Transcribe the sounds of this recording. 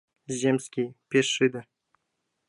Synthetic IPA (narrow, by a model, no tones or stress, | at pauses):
zʲemʲsʲkʲijpʲesːɨd̪ɘ̆